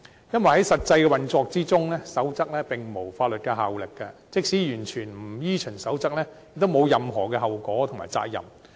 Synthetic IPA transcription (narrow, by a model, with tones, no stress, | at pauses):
jɐ˥nwɐ˨jhɐ˨˥jsɐ˨t̚t͡sɐ˧jkɛː˧wɐ˨nt͡sɔː˧k̚t͡siː˥t͡sʊ˥ŋlɛː˥sɐ˨˥wt͡sɐ˥k̚lɛː˥pɪ˨ŋmo˨˩wfaː˧t̚lɵ˨t̚kɛ˧ɦaː˨wlɪ˨kːɐ˧t͡sɪ˥k̚siː˨˥jyː˨˩nt͡ʃʰyː˨˩nm̩˨˩jiː˥t͡ʃʰɵ˨˩ŋsɐ˨˥wt͡sɐ˥k̚lɛː˥jɪ˨k̚t̪o˥wmo˨˧wjɐ˨mɦɔː˨˩kɛː˧ɦɐ˨wkɔː˨˥t̪ʰʊ˨ŋmaː˨˩jt͡sa̰ː˧k̚jɐ̰˨˩m